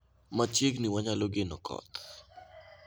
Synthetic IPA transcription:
mat͡ʃjeɡniwaɲaloɡɪnɔkʰɔ̰t̪

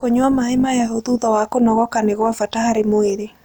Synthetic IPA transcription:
koɲwamaemajaɦoðuðɔwakonɔɣɔkaneɣwavatahaɾemoeɾe

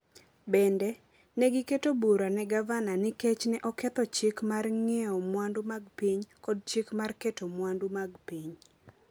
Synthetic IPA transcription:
bɛndɛ | nɛɡɪketobuɾanɛɡavananɪkɛt͡ʃnɛʔɔkɛt̪ɔt͡ʃɪkmarŋɛɔmwandʊmaɡpiɲkɔd̚t͡ʃɪkmarkɛtomwandumaɡpiɲ

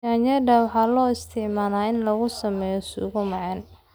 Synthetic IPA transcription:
aːnjɐdɐwɑħɑːlɔːɪst̪ʰɪʕmaːnaːɪnlɐɣʊsɐmɛːjɔsṵːɣʊmɐʕɛn

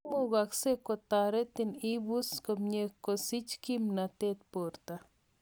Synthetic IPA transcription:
muɡaksekot̪aɾet̪inibuskomɲekːosit͡ʃkimnat̪et̪poɾt̪a

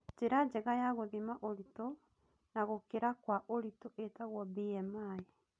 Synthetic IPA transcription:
d͡ʒeɾad͡ʑɛɣajaɣoðimaʔoɾito | naɣokeɾakwaʔoɾitoʔetaɣwɔbiɛmae

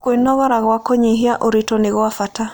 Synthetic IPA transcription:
kwenɔɣɔɾaɣwakɔɲeɦiaʔoɾitɔneɣwafata

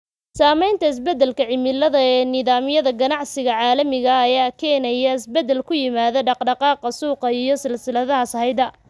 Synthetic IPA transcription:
saːmɛjnt̪ʰɐɪs̬bɛd̪ɛlkʰɐʕɪmɪlɐðɐɛːnɪðaːmjɐðɐɡɐnɑʕsɪɣɐʕɑːlɐmɪɣɐːjaːkʰɛːnɐjɐɪsbɛd̪ɛlkʰʊjɪmaːðɐɖɑqɖɑqɑːqɑsuːqɑijɞsɪlsɪlɐðɐɦɐsɐhɛjd̪ɐ

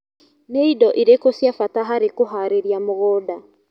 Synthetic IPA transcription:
neidɔʔiɾekosjafataɦaɾekoɦaːɾeɾiamoɣɔːda

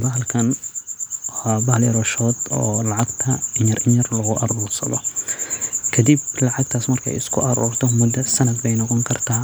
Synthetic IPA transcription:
bɐɦɐlkʰɐn | bɐhljɐɾɔʃɔːd̪ɔːlɑʕɑɡt̪ʰɐɪɲɐrʔɪɲɐrlɐɣʊʔɐ̰ɾuːrsɐ̰ðɔ | kʰɐd̪iblɑʕɑɡ̚t̪ʰaːsmɐrkʰɛ̰jɪskʰʊʔɐɾṵːrt̪ʰɔmʊd̪ɐsɐnɐd̪bɛjnɔqɔŋkʰɐrt̪ʰaː

